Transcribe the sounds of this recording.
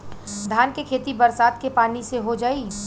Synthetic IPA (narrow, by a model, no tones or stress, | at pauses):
d̪ʱaːnkekʰeːt̪ibɐɾsaːt̪kepaːniseɦod͡ʒaːiː